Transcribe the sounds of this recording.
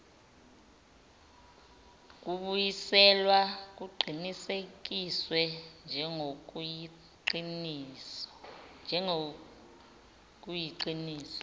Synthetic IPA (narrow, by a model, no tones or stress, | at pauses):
k̬ʼuɓujisɛlwak̬uɡ͡ǃʱinisek̬iswɛnd͡ʒʱɛŋo | in | nd͡ʒʱɛ | k̬ʼujiǃiniːsɔ̥